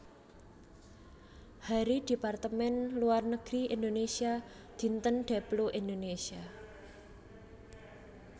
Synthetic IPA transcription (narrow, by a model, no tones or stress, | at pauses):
haɾid̪̥i̤part̪əmɛnluarnəɡ̥ɾiind̪onesia | d̪̥i̤nt̪ənɖ̥a̤bloʔind̪onesia